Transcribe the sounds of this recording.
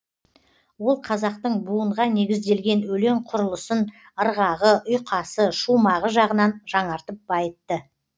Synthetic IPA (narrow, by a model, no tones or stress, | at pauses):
wo̞lˠqʰɑzɑq̚t̪əɴbuəɴʁɑne̞ɡʲɪzd̪e̞lɡʲe̞nwɵle̞ɴqʰʊɾəlˠəsən | əɾʁɑʁəʔʊjqʰɑsəʃumɑʁəʒɑʁənɑnʒɑɴɑɾt̪əp̚bɑjət̪ːə